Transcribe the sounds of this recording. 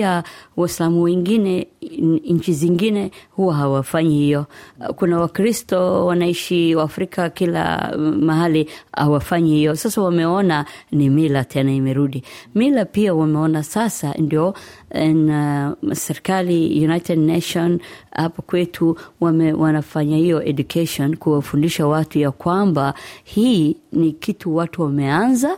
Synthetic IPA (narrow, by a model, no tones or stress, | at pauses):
awaislamuwɛŋɡinɛ | ɲ̩t͡ʃiziŋɡinɛhuwaɦawafaɲihijɔkunawakɾistɔwanaiʃiwaːfɾikʰakila̰maɦaliha̰wafaɲihijɔsasawamɛɔnanimilatʰɛnaimɛɾuɗimilapiawamɛɔnasasandiɔɛnasɛɾɛkalijunajtɛdnaʃɔnhapakwɛtʰuwamɛwʔanafaɲahijɔʔɛʄukʰɛʃɔnkuwafundiʃawatujakwambahiːnikitʰuwatuwamɛanza